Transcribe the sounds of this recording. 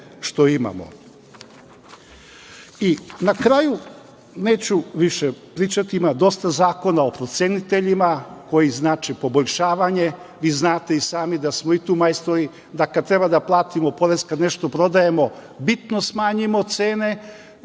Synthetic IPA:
ʃt̪o̞ima̰mo̞̰ | inakɾaːju | ne̞ːt͡ɕuʋiʃepɾiːt͡ʃat̪iimad̪o̞st̪azaːko̞nao̞pɾo̞t̪sʲenit̪e̞ʎimako̞jiznaːt͡ʃepo̞bo̞ʎʲʃaːʋaɲe̞ | ʋiːznaːt̪e̞isaːmid̪asmo̞it̪uːmajst̪ɾoi | d̪akad̪̚t̪ɾe̞bad̪aplˠaːt̪imo̞po̞ɾe̞zkad̪ne̞ʃt̪o̞pɾo̞d̪aje̞mo̞bit̪no̞smaːɲimo̞t̪seːne̞

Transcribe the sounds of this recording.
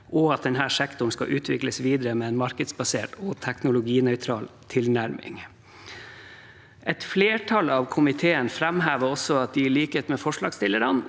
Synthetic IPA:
ʔɔɑt̪̚d̪ɛnɦæːʂækt̪ʊɳskɑ̰ʔʉːt̪ʰʋɪkləsʋiːd̪ɾəmɛːɛnmɑɾkəd̪sbɑseːʈoːt̪ʰæknʊlʊɡiːnœʏt̪ʰɾɑːlt̪ʰɪlnæɾmɪ̰ŋ | ʔɛt̪fleːʈʰɑlɑːʋkʰʊmɪt̪ʰeːənfɾæmɦæːʋəɾɔsɔɑt̪̚d̪ɪɭiːkət̪mɛfɔʂɭɑːɡst̪ɪləɾɑn

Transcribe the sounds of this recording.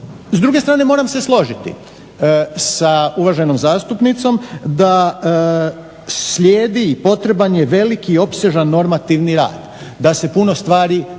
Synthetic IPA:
zd̪ɾuɡet̪ɾaːne̞mo̞ːɾamse̞slˠo̞ʒit̪ḭ | sauʋaʒeno̞mzaːst̪upnit̪so̞md̪a | sʎʲeːd̪iːpo̞t̪ɾe̞banjeʋe̞likiːo̞pse̞ʒanːo̞ɾmat̪iʋniɾa̰ːd̪ | d̪ase̞puno̞st̪ʋaːɾi

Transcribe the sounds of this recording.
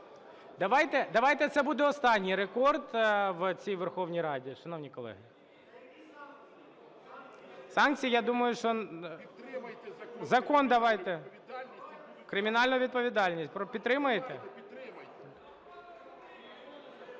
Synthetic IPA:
d̪ɐʋɑjt̪ɛd̪ɐʋɑjt̪ɛt̪sɛbud̪ɛɔst̪ɑnʲːijɾekɔrd̪ʋt͡sʲijʋɛrxɔwnʲijɾɑdʲiʃɐnownʲijkɔlˠɛ̰ɦɪ | sɑnk̚t͡sʲijijad̪umɐjʊʃt͡ʃɔ | zɐkond̪ɐʋɑjt̪ɛ | kɾɪmʲɪnɑlʲnʊjʋʲid̪̚pɔʋʲɪd̪ɑlʲnʲisʲt̚ʲpɾɔpʲit̪t̪ːɾɪmʊjet̪ɛ

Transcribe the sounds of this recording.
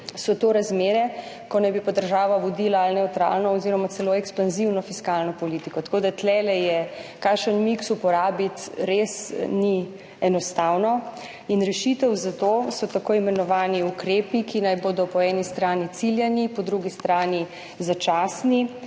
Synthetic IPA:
sɔt̪oɾazmeːɾɛ | kɔnajbipɔd̪əɾʒaːʋaʋɔd̪ilaːlnɛwt̪ɾa̰ːlnɔɔziɾɔmat̪sɛloɛkspanziwnɔfiskalnɔpɔlit̪ikɔt̪ɐ̥koːd̪at̪lɛlɛjɛkakʃənmiksupɔɾaːbit̪ɾesni | ɛnɔst̪awnɔ | inɾɛʃit̪əwzat̪osɔt̪akojimɛnɔʋaːniukɾeːpikinajboːd̪ɔpɔɛnist̪ɾaːnit̪siljɛnipɔd̪ɾuɡist̪ɾaːni | zat͡ʃaːsni

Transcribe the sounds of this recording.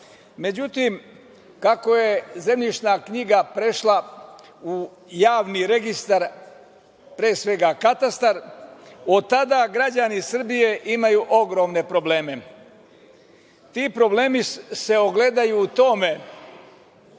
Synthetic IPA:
me̞d͡ʑut̪im | kako̞je̞ze̞mʎit͡ʃnaːkɲiɡapɾe̞ʃla | u | jaːʋniɾe̞ɡist̪aɾ | pɾeːsʋe̞ɡakat̪ast̪aɾ | o̞t̪ːad̪aɡɾad͡ʒanisr̩bije̞ʔimajuʔo̞ɡɾo̞ːmne̞pɾo̞ble̞ːme̞ | t̪iːpɾo̞bleːmisse̞oɡle̞d̪ajuːt̪o̞ːme̞

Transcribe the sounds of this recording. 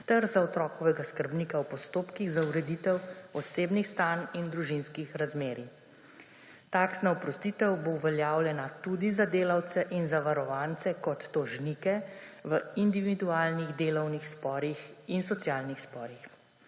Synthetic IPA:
t̪əɾzaɔt̪ɾɔːkɔʋɛɡaskəɾbniːkawpɔst̪oːpkiɣzauɾɛd̪it̪ɛwɔseːbnixst̪anind̪ɾuʒinskixɾazmeːɾi | t̪aːksnaɔpɾɔst̪iːt̪ɛwboʋɛljaːwljɛnat̪ud̪izad̪eːlawt̪sɛʔinzaʋaɾɔʋaːnt̪sɛkɔt̪ːɔʒnikɛʋəind̪iʋid̪uaːlniɣd̪eːlɔwnixspɔːɾixinsɔt̪sjaːlnixspɔːɾix

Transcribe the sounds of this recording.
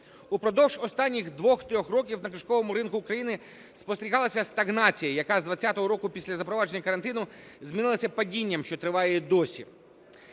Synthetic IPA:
upɾɔd̪ɔwʒɔst̪ɑnʲːiɣd̪ʋɔxt̪ɾʲɔxrɔk̬ʲiwnɐkɪʃkɔʋɔmʊɾɪnkʊːkɾɐjinɪ | spɔst̪eɾʲiɦɑlˠɐsʲɐst̪ɐɣnɑt͡sʲijɐjɐkɑzd̪ʋɐt͡sʲːat̪ɔɦɔɾɔkʊpʲisʲlʲɐzɐpɾɔʋɑd͡ʒenʲːɐkɐɾɐnt̪ɪnʊ | zʲmʲinɪlˠɐsʲɐpɐdʲinʲːɐmʃt͡ʃɔt̪ɾɪʋɑjɛd̪ɔsʲḭ

